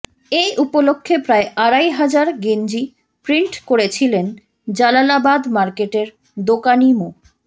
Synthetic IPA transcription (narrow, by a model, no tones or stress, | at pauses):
ejʔupolokʰːepɾaeʔaɾajɦad͡ʑaɾɡend͡ʑi | pɾiɳʈkoɾet͡ɕʰilen | d͡ʑalalabad̪maɾkeʈeɾ | d̪okanimo